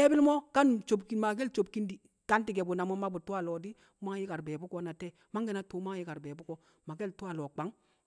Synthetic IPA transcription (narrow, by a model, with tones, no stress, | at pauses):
e˦bi˦lmo˦ka˦nt͡ʃo˨bki˨nma˨ɡe˦lt͡ʃo˨b̚ki˦ndi˨ | ka˦nti˨ɡe˨bu˨na˨mo˦ma˦bu˨tu˦a˦˨lɔ˨di˦ | ma˦ŋji˦ka˨ɾbeː˨bu˦kɔ˦na˨te˦ | ma˦ŋɡɛ˨na˦tuː˨˦ma˦ŋji˦ka˨ɾbe˨bu˦kɔ˨ | ma˨ɡe˦ltu˦a˨lo˨k͡pa˨˦ŋ